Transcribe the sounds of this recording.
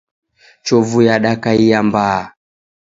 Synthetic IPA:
t͡ʃɔvujaɗakaijambaː

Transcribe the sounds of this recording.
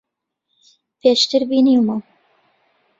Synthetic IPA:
pʰeːʃt̪ɨɾbiːniwmaw

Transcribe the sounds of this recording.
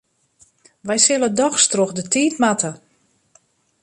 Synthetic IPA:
ʋɛjsɪlˠədɔxstroxdətiːtmatʰə

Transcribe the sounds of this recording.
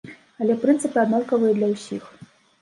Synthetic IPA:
ɐlʲɛpɾɨnt̪sɨpɨad̪nɔrkɐvɨjɛd̪lʲɐwsʲix

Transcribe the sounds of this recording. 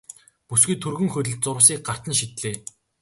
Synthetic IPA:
pusɡujt̪ʰɵrɣɵ̆ŋxɵt̪ɘ̆ɮt̪̚t͡sʊɾʊ̆s̬iːk̚ɢar̥t̪ə̆nʃit̪ɮeː

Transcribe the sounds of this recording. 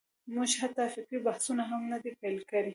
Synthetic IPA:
muʒhat̪ːafɪqibahsunaɦamnad̪epajlkawi

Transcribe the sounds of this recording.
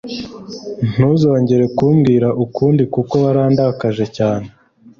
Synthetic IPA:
n̥uzo̞ːɲɟe̞ɾe̞kuːmɡiːɾaʔukuːndikuko̞βaɾaːndakaʒe̞caːne̞

